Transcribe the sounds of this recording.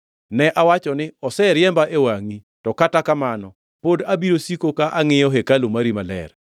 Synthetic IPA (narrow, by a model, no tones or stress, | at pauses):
nɛʔawat͡ʃɔnɪɔsɛɾjɛmbaʔewaŋi | tɔkatakamanɔ | podabiɾosikokaʔaŋɪjɔɦekalomaɾimalɛ̰r